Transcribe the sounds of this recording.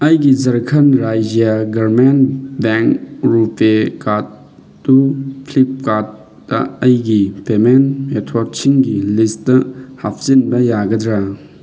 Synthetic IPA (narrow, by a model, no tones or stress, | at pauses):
ɐjɡizɐɾkʰɐnɾajd͡ʒijaɡɐɾmenbeŋkɾupekatː | upʰlip̚kat | dɐ̰ɐjɡipemenmetʰwɔɾk̚t͡ʃʰiŋɡilisttɐhap̚ʰzinbɐjaɡɐdɾa